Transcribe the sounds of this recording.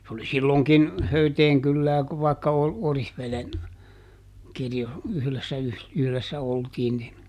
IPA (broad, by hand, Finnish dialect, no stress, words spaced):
se oli silːoˑŋkin høyteːŋ kylːæː ʋɑˑikːɑ o orihʋelen kirjo yhlesːæ yh yhlesːæ oltiːn nin